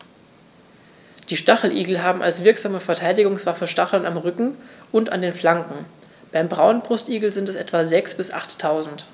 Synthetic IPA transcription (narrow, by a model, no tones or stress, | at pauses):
d̥iːʃtaχl̩ʔḭːɡl̩ɦaːbm̩ʔa̰lsv̥ɪɐkz̥aːməfɛɐtʰaɪdɪɡʊŋsv̥afəʃtaχl̩namʁʏkŋ̩ʔʊnta̰ndeːnflaŋkŋ̩ | b̥aɪmbʁaʊnbʁ̥ʊstʔiːɡl̩zɪntɛsʔɛtv̥azɛksb̥ɪsʔa̰χtʰːaʊzn̩t